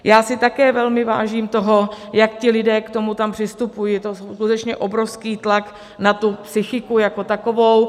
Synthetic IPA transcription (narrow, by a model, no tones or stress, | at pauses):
jaːsɪt̪akɛːvɛlmɪva̰ːʒiːmt̪o̞ɦojakcɪlɪdɛːkt̪o̞mut̪ampr̥ɪst̪upujiːt̪ososkut̪ɛt͡ʃɲɛʔobɾofskiːt̪lak | nat̪upsɪxɪkujako̞t̪ako̞vo̞w